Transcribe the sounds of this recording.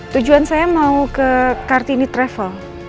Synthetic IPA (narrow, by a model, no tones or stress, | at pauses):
t̪ud͡ʒuansajamaukəkart̪init̪ɾɛfəl